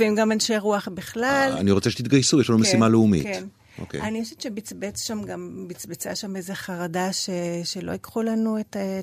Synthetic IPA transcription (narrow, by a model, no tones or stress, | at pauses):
veimɡamanʃeʁuaχbiχlala̰niʁo̞t͡seʃet̪it̪̚ɡajsujɛʃlanomessimaleumḭkten | ʔo̰kḛanijoʃevt͡ʃebit͡sbet͡sʃamɡambit͡sbet͡sa̰ʃameze̞χaʁadaʃeʃelo̞̰ikχulanuet